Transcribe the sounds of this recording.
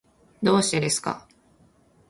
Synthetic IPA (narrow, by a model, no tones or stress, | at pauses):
d̪o̞ːɕi̥t̪ed̪e̞sɨ̥ka̰